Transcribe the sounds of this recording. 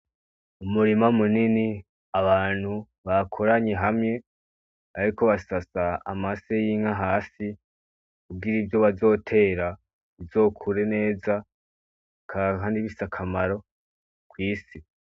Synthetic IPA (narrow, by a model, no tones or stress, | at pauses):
umuɾimamunini | aβaːn̥hu | βakʰoɾaɲe̞ɦamɲe̞ | aɾiko̞βasasaa̰masejiːŋhaɦaːsi | kub̚ɡiɾibjo̞βazo̞ːtʰe̞ːɾa | βizo̞ːkʰuɾe̞ne̞ːza | kʰakaːndiβisakʰamaɾo̞ | kwiːsi